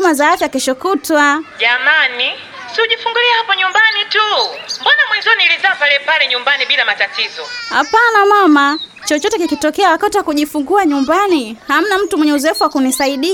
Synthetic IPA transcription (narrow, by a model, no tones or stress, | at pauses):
mazaafjakɛʃɔkutwaʄamani | siuʄifuŋɡuliahapɔɲumbanitumbanamwinzɔniilizapalɛpalɛɲumbaniɓilamatatizɔha̰panamama | t͡ʃɔt͡ʃɔtɛkikitɔkɛawakatiwakuʄifuŋɡuaɲumbaniham̩nam̩tumwɛɲɛuzɔɛfuwakunisaiɗi